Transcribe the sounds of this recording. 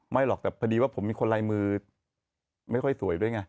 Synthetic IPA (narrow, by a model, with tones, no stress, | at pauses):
ma˥˩jlɔ˨˩k̚t̪ɛː˨˩kʰa˧diː˧waː˥˩pʰo˩˦miː˧kʰo˧nlaː˧jmɯː˧ | ma˥˩jkʰɔ˥˩jsu˨˦əjdu˥˩ə˨jŋa˧˩j